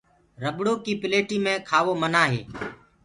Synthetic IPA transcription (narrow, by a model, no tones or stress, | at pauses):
ɾəbɽoːkiːpɪleːʈiːmẽːkʰaːʋoːmənaːɦḛː